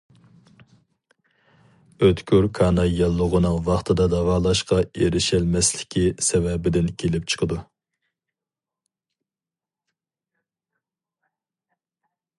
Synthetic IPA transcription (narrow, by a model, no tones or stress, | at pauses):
øt̪kʲøɾkʰɑːnɑjɑlˠːəʁənɨŋvɑχt̪ʰɨd̪ɑd̪ɑvɑːlˠɑʃqɑeɾɪʃɛlmɛslɪ̥kʲʰisɛvɛbɪd̪ɪnkʲʰelɪp̚t͡ʃʰə̥qʰəd̪u